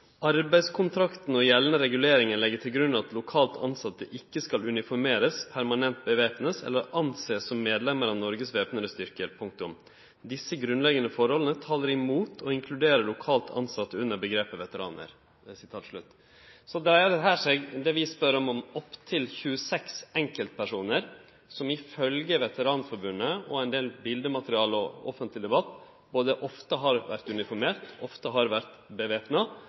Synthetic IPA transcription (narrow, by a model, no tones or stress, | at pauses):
ɑɾbæɪskʰʊnt̪ʰɾɑkt̪n̩ɔjɛlnəɾɛɡʉleːɾɪŋənlɛɡːət̪ʰɪlɡɾʉnːɑt̪lʊkʰɑːlt̪ʰɑ̰nsɑt̪ːəʔɪkːəskɑlʉnɪfɔɾmeːɾəspʰæɾmɑnɛnt̪̚bəʋeːpnəsɛ̰lːəɾɑnseːssɔmːeːd̪lɛmːəɾɑʋnɔɾɡəsʋeːpnəɾəst̪ʏɾkəɾpʰʊŋk̚t̪ʊm | d̪ɪsːəɡɾʉnlɛɡənəfɔɾhɔlənət̪ʰɑːləɾɪmuːt̪ʰɔɪŋkʰlʉd̪eːɾəɭʊkʰɑːlt̪ʰɑ̰nsɑt̪ːəʉnːəɾbəɡɾeːpəʋɛt̪əɾɑ̰ːnə̰ɾ | sɪt̪ʰɑːt̪ʂɭʉ̰t̪ː | sɔd̪ɛd̪ɛɦæːʂɛɡd̪ɛʋɪspœɾɔmɔmɔpːt̪ʰɪlçʉːəsɛksɛŋkəlt̪pʰæʂuːnəɾ | sɔmɪfœlɡəʋɛt̪əɾɑːnfɔɾbʉnːəɔɛɪnd̪eːlbɪld̪əmɑt̪əɾɪɑːlɔɔ̰fənt̪lɪd̪ɛbɑt̪ː | boːd̪əʔɔft̪əɦɑɾʋæ̰ɾt̪ʉnɪfɔɾmeːɾt̪ɔft̪əɦɑɾʋæɾt̪bəʋeːpnɑ